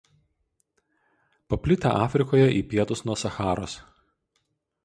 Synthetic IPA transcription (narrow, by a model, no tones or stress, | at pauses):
pɐpʲlʲɪt̪ʲɛ̰ʔɑːfʲɾʲɪkoːjɛʔiːpʲiɛt̪ʊsnuɔsɐxɑːɾo̰ːs